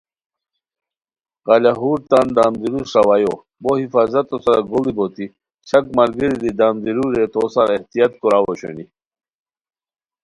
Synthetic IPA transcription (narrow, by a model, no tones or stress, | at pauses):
ɣalaɦuɾt̪and̪aːmd̪iɾusɾawajo | bohifaːzɐt̪osɐɾaɡolibot̪i | t͡ɕɐkmɐɾɡiɾid̪id̪aːmd̪iɾuɾet̪osaɾeht̪ijat̪kuɾawoɕo̰ni